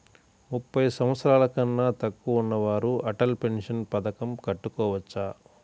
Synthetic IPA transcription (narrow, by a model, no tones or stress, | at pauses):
mupːɐjɐsɐmɐt̪sɾaːlɐkɐnːaːt̪ɐkːuːnːɐʋaːɾuɐʈɐlpe̞nʂɐnpɐd̪ɐkɐmkɐʈːukɔːʋɐt͡ʃːaː